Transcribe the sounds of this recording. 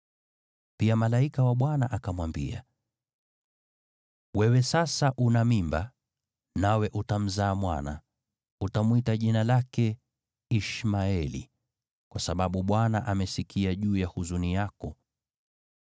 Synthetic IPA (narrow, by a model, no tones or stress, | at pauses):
piamalaikawaɓwanaʔakamwambḭa̰ | wɛwɛsasaʔunamimba | nawɛʔutam̩zaːmwa̰na̰ | utamwitaʄinalakɛ | iʃmaɛlḭ | kwasaɓaɓuɓwanaʔamɛsikʰiaʄuːjahuzunijakɔ